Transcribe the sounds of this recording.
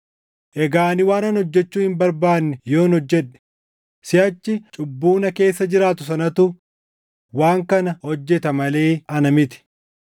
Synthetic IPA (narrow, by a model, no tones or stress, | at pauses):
ʔɛɡaːnɪwaːnɐnhɔd͡ʒːɛt͡ʃːuːhɪmbɐɾbaːnːɛjo̞ːɪnhɔd͡ʒːɛᶑɛ̥ | sɪjɐt͡ʃːɪt͡ʃʼʊbːuːnɐke̞ːsːɐd͡ʒɪɾaːt̪ʊs̬ɐnɐt̪ʊ | waːŋkɐnɐhɔd͡ʒːɛt̪ɐmɐle̞ːɐnɐmɪt̪ɪ̥